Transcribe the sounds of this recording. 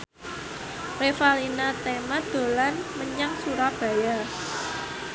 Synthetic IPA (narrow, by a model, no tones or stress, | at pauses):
refalinat̪emad̪̥o̤lanməɲaŋsuɾab̥a̤ja